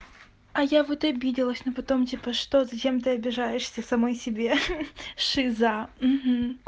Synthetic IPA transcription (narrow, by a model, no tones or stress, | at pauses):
ɐjavot̪ɐbʲidʲɪlˠəsʲnopɐt̪o̞mtʲipəʂt̪o̞zɐt͡ɕe̞mt̪ɨɐbʲɪʐajɪʂsʲəsɐmojsʲɪbʲe̞ʂɨzam̩ɦm̩